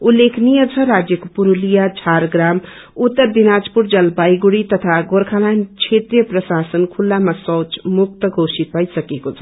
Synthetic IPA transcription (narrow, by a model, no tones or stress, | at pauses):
ulːekʰnijət͡sʰʌɾad͡zjʌkopuɾulijat͡sʰaɾɡɾam | ut̪ːʌɾd̪inad͡zpuɾd͡zʌlbajɡuɽit̪ʌt̪ʰaɡoɾkʰalant͡ʃʰet̪rijʌprʌsasənkʰulːamasʌ̃wt͡smuk̚t̪ʌɡʱosit̪̚pajsʌkekot͡sʰʌ̥